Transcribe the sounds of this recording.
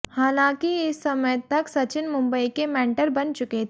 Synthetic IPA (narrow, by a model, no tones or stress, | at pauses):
haːlãːkiɪsːɐməjt̪ɐksɐt͡ʃɪnmʊ̃mbəikemɛ̃ːɳʈəɾbɐnt͡ʃʊket̪ʰe